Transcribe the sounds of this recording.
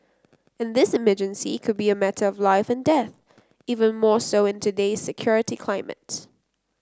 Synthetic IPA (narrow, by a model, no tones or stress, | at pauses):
ɨ̃nðɪsɨmɜd͡ʒɨ̃nsikʰɨd̚biɨmɛɾəʌvlaɪfɨ̃ndɛθ | ivə̃nmɔɹsoʊɨ̃ntʰɨdeɪz̥sɨkʰj̥ɔɹɨɾikʰl̥ãɪ̃mɨ̰t